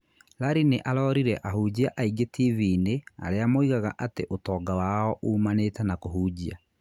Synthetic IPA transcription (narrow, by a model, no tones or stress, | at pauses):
laɾineʔaɾɔːɾiɾɛʔahuːd͡ʑiaʔaiɡetʰiviːnea̰ɾeamoiɣaɣaʔateʔotɔːɡawaɔʔuːmaneːtɛnakoɦuːd͡ʑia̰